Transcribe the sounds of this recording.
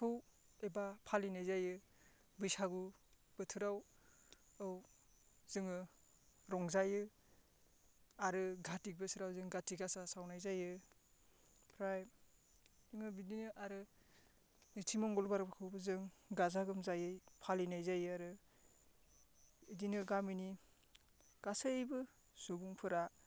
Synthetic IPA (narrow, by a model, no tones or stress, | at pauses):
kʰɯw | ebapʰalinajzajɯ | bɯjsaɡub̥ɯtʰɯɾaw | ɯw | z̥ɯŋɯ | ɾɔŋzajɯ | aɾɯɡʱatik̚bɯsʰɯɾawzɯŋɡatiɡasasawnajzajɯ | pʰɾaj | zɯŋɯbidinɯʔaɾɯ | nitʰimɔŋɡɔlbaɾbakʰɯwbɯzɯŋɡazaɡɯmzajɯjpʰalinajzajɯaɾɯ | idinɯɡamini | ɡ̥asɯjbɯ | sobuŋpʰɯɾa